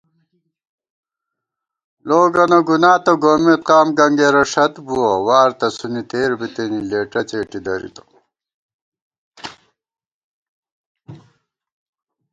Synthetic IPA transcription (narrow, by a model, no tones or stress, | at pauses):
loːɡɐnɐɡunaːt̪ɐɡoːmet̪̚qaːmɡɐŋɡeɾɐʂɐt̪buɐwaːɾt̪ɐsunit̪eːɾbit̪enileːʈɐt͡ɕeːʈid̪ɐɾḭt̪o̥